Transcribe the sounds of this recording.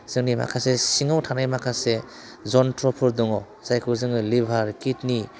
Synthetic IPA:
z̥ɯŋnima̰kʰasesiŋawtʰanajmakʰase | zɔntɾɔpʰɯɾdɔŋɔ | zajkʰɯzɯŋɯlibʱaɾkitni

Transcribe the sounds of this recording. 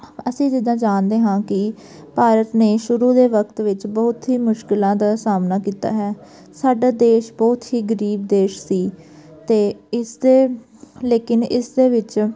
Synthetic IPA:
əsĩːd͡ʒ̪ɪd̪ãːd͡ʒaːnd̪eːɦãːkɪ | paːɾət̪neːʃʊɾũːd̪eːʋəkt̪ʋɪt͡ʃbɔːʊt̪ɦiːmʊʃkɪlãːd̪aːsaːmnaːkiːt̪a̰ːɦɛː | saːɖaːd̪eːʃbɔːt̪ɦiːɡəɾiːbd̪eːʃsiː | t̪eːɪsd̪eː | leːkɪnɪsd̪eːʋɪt͡ʃ

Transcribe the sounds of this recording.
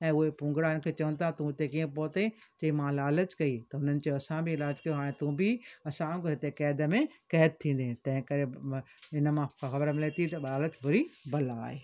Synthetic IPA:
ɛ̃ːʊɦepʊ̃ːŋɡɽaɪnkʰeːt͡ɕɐʋə̃nt̪ʰat̪ũɪt̪ek̬iːẽpoːt̪et͡ɕɐimãlaːlət͡ɕkɐit̪ɐʊnənɪ̆t͡ɕoːɐsãbʱɪɪlaːd͡ʑkɐjoɦaːɽ̃ẽt̪ũbʱɪɐsãkɪt̪ekɛːd̪əmẽkɛːd̪̚t̪ʰĩːn̆d̪ẽt̪ɐ̃ɦɪ̃kɐɾeɪnəmãxɐbəɾmɪlet̪it̪ɐɓaːlət͡ɕbʱʊɾibɐlaːɦeː

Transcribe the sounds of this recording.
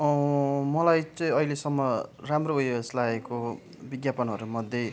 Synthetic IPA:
ʌmʌlajt͡sʌĩʌilesʌmːʌramroujʌslaeko | biɡjapʌnɦʌɾumʌd̪ʱjʌ

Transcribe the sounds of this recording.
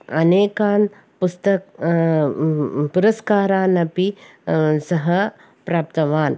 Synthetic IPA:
ɐneːkaːn | pust̪ɐk | puɾɐskaːɾaːnɐpi | sɐɦɐ | pɾaːp̚t̪ɐʋaːn

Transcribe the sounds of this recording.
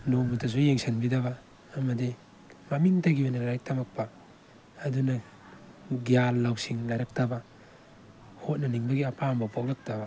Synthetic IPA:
nomutʰɐs̬ujeŋsʰɐnbidɐβɐː | mɐdi | mamiŋtaɡibɐnɐlajk̚tʰamɐk̚pɐː | dunɐ | ɡijalːawsiŋlajɾɐk̚tɐbɐ | hot̚nɐniŋbɐɡiapʰambɐpʰok̚lɐk̚tɐbɐ

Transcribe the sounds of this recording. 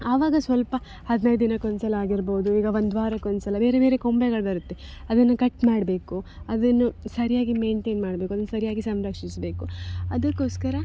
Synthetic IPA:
aːʋaːɡɐsʋɐlpɐ | hɐd̪nɐj̪d̪inɐkːond̪sɐlɐaːɡiɾboːd̪uiːɡɐʋond̪ʋaːɾɐkːond̪sɐlɐbe̞ːɾebe̞ːɾekombeɡɐɭbɐɾut̪ːeɐd̪ɐnːukɐʈmaːɖbe̞ːkuɐd̪ɐnːusɐɾijaːɡime̞ːɳʈeːnmaːɽbekuɐd̪ɐnːusɐɾijaːɡisɐmɾɐkʂisbe̞ːkuɐd̪ɐkːoːskɐɾɐ

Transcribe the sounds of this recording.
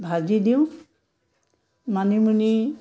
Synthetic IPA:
bʱazidiʊ̃ | manimuni

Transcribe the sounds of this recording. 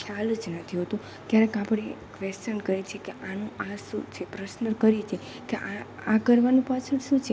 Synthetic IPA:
kʰjald͡ʒnət̪ʰiɦot̪ũ | kjaɾẽkapɽ̃ekʋestənkəɾit͡ʃʰekeʔanũʔaʃũt͡ʃʰepɾəsnəkəɾit͡ʃʰe | keʔaakəɾʋanũpat͡ʃʰənʃũt͡ʃʰe

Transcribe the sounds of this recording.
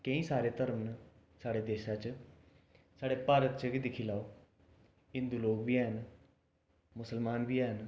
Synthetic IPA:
kə̃ĩːsaːɾeːt̪əɾəmn | saːɽeːd̪eːʃãːt͡ʃ | saːɽeːpaːɾət̪t͡ʃəɡid̪ɪkʰiːlaːo | ɪ̃nd̪uːloːɡʋiːɛːɦən | mʊsəlmaːnʋiːɛːɦən

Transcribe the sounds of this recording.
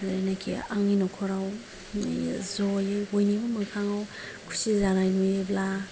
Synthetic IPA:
zanakʰḭaŋinokʰɔɾaw | zolibojnibamaŋkʰaŋaw | kʰu̥sizaɾajnujebla

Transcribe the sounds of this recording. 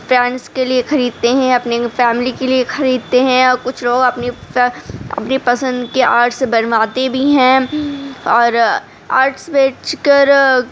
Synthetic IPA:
fɾɛ̃ːnskeliexɐɾiːd̪̚t̪eɦɛ̃ɐpnefɛːmɪlikeliexɐɾiːd̪̚t̪eɦɛ̃ɔːɾkʊt͡ʃʰloːɡɐpne | ɐ̰pnepɐsə̃nd̪keaːɾʈsebɐnʋaːt̪ebʱiɦɛ̃ː | ɔːɾ | a̰ːɾʈsbeːt͡ʃkɐɾ

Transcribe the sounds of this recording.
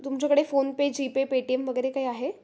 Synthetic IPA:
t̪umt͡ɕjakəɽefonped͡ʑipepeʈiemʋəɡəɾekaɦiːaɦe

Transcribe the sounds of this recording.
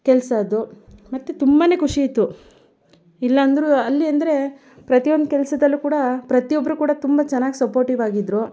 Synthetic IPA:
kɛlsɐːd̪umɐt̪ːet̪umbɐne̞ːkʰuʂiit̪ːu | ilːɐːnd̪ɐɾuɐlːiɐnd̪ɐɾe̞ | pɾɐt̪ijond̪ukɛlsɐd̪ɐlːukuːɽɐpɾɐt̪ijɔbːɐɾukuːɽɐt̪umbɐt͡ʃɛnːaːɡisɐpoːɾʈiʋaːɡid̪ɾo

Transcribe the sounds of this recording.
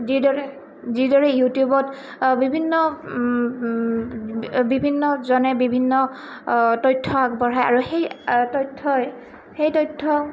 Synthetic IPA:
zidɔɹɛ | zidɔɹɛjutijubɔt | bibʱinːɔ | bibʱinːɔzɔnɛbibʱinːɔ | tɔjtʰːɔakbɔɹɦajaɹuxejtɔjtʰːɔj | xejtɔjtʰːɔ

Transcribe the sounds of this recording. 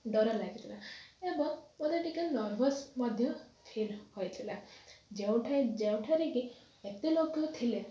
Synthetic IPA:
ɖɔɾɔlaɡit̪ʰilaebɔŋpɔd̪eʈikenɔɾbʱɔsmad̪ʱjɔpʰilhojt̪ʰilad͡ʒew̃ʈʰajd͡ʒew̃ʈʰaɾeki | et̪elokjɔt̪ʰile

